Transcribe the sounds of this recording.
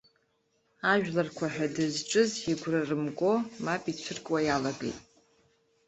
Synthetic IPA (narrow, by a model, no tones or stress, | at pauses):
aʒᶣlarkʷʰaħᶣadɨzʈ͡ʂʼɨziɡʷrarɨmkʼo̞mapʼit͡ʃʷʰɨrkʼwajalaɡḛjtʼ